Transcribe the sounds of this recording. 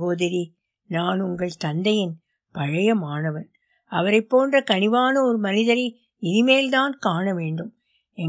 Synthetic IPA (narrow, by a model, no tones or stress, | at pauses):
oːðɐɾi | naːnʊŋɡɐɭt̪ɐnd̪ɐjɪn | pɐɻɐjɐmaːnɐʋɐn | ɐʋɐɾɐɪpːoːndrɐkɐɳɪʋaːnɐɔɾɯmɐnɪðɐɾi | ɪðɯmeːlðaːnkaːɳɐʋeːɳɖɯm | ɛŋ